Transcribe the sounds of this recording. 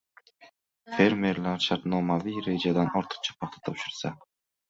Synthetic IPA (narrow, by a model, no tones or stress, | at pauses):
fe̞ɾme̞ɾlaɾʃaɾt̪nomavijɾed͡ʒad̪anɒɾt̪ʰɯ̥q̚t͡ʃʰḁpʰɑq̚t̪ʰḁt̪ʰɒpʃɪɾsa